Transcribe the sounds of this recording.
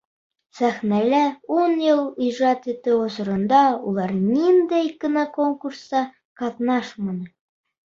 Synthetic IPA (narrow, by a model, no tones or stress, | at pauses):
sæχnælæunjɤlˠijʒɑt̪it̪ɘosɤ̆ɾɤ̆nd̪ɑṵlˠɑɾnind̪æjkɘ̆nɑkoŋkuɾsɑ | qɑtnɑʃmɤ̆nɤ